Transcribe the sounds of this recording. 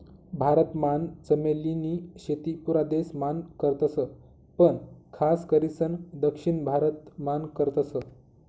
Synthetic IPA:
bʱaɾət̪mant͡səmeliniɕet̪ipuɾad̪esmankəɾt̪əsə | pəɳkʰaskəɾisənd̪əkʂiɳbʱaɾət̪mankəɾt̪əsə

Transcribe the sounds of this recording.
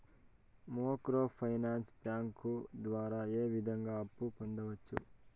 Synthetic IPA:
moːkɾoːpʰɐjnaːnspaːŋkud̪ʋaːɾaːeːʋid̪ʱɐŋɡaːɐpːupond̪ɐʋɐt͡ʃːṵ

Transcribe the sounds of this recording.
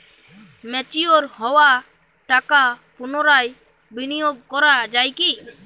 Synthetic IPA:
mɛt͡ʃijoɾhɔwa | ʈakapunɔɾaj | binijoɡ̚kɔɾaʔd͡ʒajki

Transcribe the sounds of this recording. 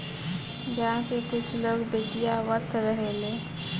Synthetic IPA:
ɡaãkekʊt͡ʃʰloːɡb̪eʈijaʋət̪ʰɾəɦeleː

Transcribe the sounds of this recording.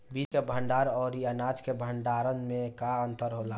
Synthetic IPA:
bit͡ʃkebʱəɳɖaɾɔːɾiənad͡ʒkebʱəɳɖaɾənmẽkaənt̪əɾɦola

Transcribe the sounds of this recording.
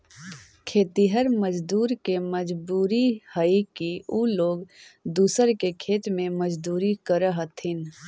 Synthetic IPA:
kʰeːt̪iɦəɾməd͡ʒd̪uːɾkeməd͡ʒbuːɾihəikiuloːɡd̪uːsəɾkekʰeːt̪mẽməd͡ʒd̪uːɾikəɾəɦət̪ʰɪn

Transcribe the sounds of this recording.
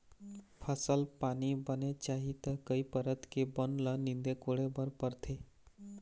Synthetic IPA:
pʰəsəlpaːnibənet͡ʃaːɦit̪əkəipəɾət̪kebənlənɪ̃nd̪ekoɽebəɾpəɾt̪ʰe

